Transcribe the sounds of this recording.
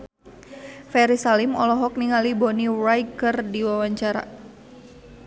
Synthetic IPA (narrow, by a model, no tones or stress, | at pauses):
fɛɾisalimɔlɔɦɔk̚niŋalibɔnirajkərdiwawaɲt͡ʃaɾa̰